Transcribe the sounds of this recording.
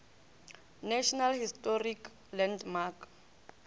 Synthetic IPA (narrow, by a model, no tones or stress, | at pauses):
naʃɔnalhistɔrik | lɛndmak